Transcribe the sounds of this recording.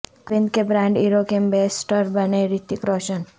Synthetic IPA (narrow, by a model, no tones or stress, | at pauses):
kĩnd̪kebɾãɳɖiɾokembesʈəɾbəneɾit̪ikɾɔʃən